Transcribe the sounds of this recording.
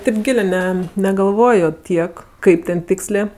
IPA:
ˈtʲɪp ˈɡʲɪlʲeː ˈnʲɛ nʲɛɡɐlˠˈʋoːjoː ˈtʲiɛk ˈkɐɪp tʲɛn ˈtʲɪksʲlʲeː

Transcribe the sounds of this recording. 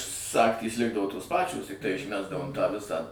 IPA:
ˈsɑːktʲiːs ˈlʲɪɡdɐʋoː toːs ˈpɑːt͡ʃʲoːs tʲɪkˈtɐɪ ɪʃʲˈmʲæːzdɐʋoːm tɑː ˈʋʲɪsɑː

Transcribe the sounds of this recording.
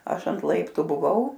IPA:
ˈɐʃ ɐnt ˈlˠɐɪptʊ ˈbʊʋɐʊ

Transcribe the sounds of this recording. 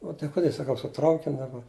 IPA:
ʊ tɐɪ ˈkʊdʲɛ sɐˈkɐʊ sʊ ˈtrɐʊkʲɪnʲ dɐˈbɐ

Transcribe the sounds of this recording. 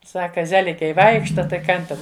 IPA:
ˈsɑːkɐ ˈzʲæːlʲɪkʲɛɪ ˈʋɐɪkʃtɐ tɐɪ ˈkɐn tʲɛn

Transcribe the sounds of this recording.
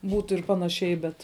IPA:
ˈbuːtʊ ɪr ˈpɑːnɐˌʃʲɛɪ bʲɛt

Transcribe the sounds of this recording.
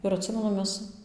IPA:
ɪr ɐtʲˈsʲɪmʲɛnʊ ˈmʲɛs

